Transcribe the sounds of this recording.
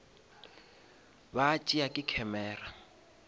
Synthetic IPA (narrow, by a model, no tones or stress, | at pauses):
bat͡ʃʼiakʼɪkʰɛmɛːra